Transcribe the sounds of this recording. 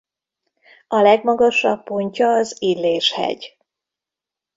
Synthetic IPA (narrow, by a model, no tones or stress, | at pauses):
ɒlɛɡmɒɡɒʃɒbːoɲcɒːzilːeːʃhɛ̰ɟ